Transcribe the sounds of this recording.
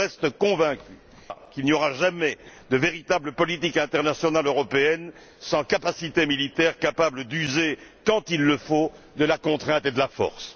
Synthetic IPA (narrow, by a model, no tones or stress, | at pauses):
ɛst̪əkɔ̃vɛ̃kʲy | kilnijɔʁaʒamɛd̪əveʁit̪abləpɔlit̪ikɛ̃t̪ɛʁnasjɔnaløʁɔpeɛn | sɑ̃kapasit̪emilit̪ɛʁkapabləd̪yzekɑ̃t̪ilːəfo | d̪əlakɔ̃t̪χɛ̃t̪ed̪əlafɔ̰ʁs